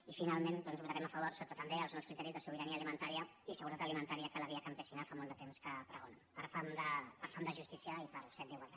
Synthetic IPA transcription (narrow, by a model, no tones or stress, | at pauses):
ifinalˠmẽnd̪ɔnzβulˠt̪aɾɛmafəβ̞oɾsot̪ət̪əmbeəlˠznɔwskɾit̪ɛɾizðəsuβəɾaniəːlimənt̪aɾiə | isəɣuɾət̪at̪əlimənt̪aɾiəkələβiakampəsinafamɔlˠd̪ət̪emskəpɾəɣonapəɾfamd̪əpəɾfamd̪əʒust̪isiəipəɾsɛt̪d̪iɣwalˠt̪at̪